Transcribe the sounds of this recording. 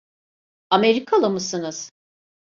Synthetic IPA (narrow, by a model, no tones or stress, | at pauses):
ameɾikʰalˠɯmɯsɯnɯz̥